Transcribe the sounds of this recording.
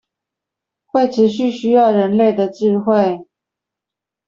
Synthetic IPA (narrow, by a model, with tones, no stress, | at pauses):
xwe˥˩ɪʈ͡ʂ̩ʰ˧˥ɕy˥˨ɕy˥jɑ˥˩ʊɻə˧˦nle˥˩ɪd̪ə˨ʈ͡ʂ̩˥˧xwe˥˨ɪ